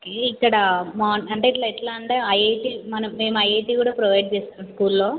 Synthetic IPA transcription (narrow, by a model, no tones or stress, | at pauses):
okeikːɐɽɐmaːnɐɳʈeiʈ̬lɐiʈlaːɐɳʈeːɐjejʈiːmɐnɐmːe̞ːmɐjeːʈiːkuːɽaːpɾoʋɐjɖ̚t͡ʃɛːst̪aːmskuːlːoː